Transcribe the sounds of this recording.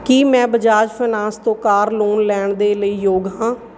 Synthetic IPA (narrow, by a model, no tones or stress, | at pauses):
kiːmɛ̃ːbəd͡ʒaːd͡ʒpʰənãːst̪õːkaːɾloːnlɛːɳd̪eːləiːjoːɡɦãː